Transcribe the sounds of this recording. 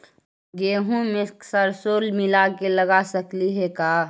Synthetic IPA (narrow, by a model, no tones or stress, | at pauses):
ɡeːɦũmɪsksəɾsoːlmɪlakeləɡasəkliɦɛkaː